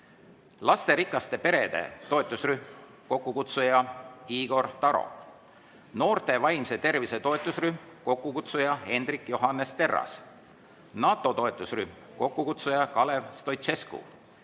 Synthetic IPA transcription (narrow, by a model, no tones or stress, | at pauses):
lɑst̪e̞ɾikːˑɑst̪e̞pe̞ɾe̞d̪̥e̞̰t̪o̞et̪ːˑusryhm | ko̞kːukut̪sujɑiːɡo̞rt̪ɑɾo̞̰ | no̞ːrt̪e̞vɑjmse̞t̪e̞rvise̞t̪o̞et̪ˑːusryhmko̞kːukut̪sujɑe̞nd̪rikjoɦɑnːest̪e̞rːɑ̰s | nɑːt̪ːˑo̞t̪o̞et̪ːˑusryhm | ko̞kːukut̪sujɑkɑle̞vst̪o̞jt̪e̞skṵ